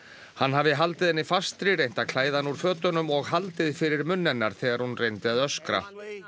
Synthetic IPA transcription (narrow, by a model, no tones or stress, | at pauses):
hanːɦavɪɦalt̪ɪðɛnːɪfast̪ɾirejn̥t̪akʰl̥aːjðanuɾ̥fœːt̪ʏnʏmɔɣɦalt̪ɪðfɪɾɪɾmʏnːɛnːaɾ̥θɛːɣaɾhunrejnt̪ɪaðœskɾa̰